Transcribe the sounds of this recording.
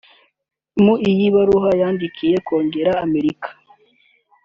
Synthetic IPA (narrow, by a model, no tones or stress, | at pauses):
muijiβaɾuɦajaːndikʰije̞ko̞ːŋɡe̞ɾaːme̞ɾikḁ